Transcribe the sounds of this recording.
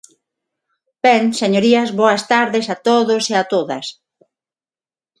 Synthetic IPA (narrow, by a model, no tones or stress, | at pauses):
pɛnseɲoɾiɐzβoɐst̪aɾðesat̪oðoseat̪oðɐs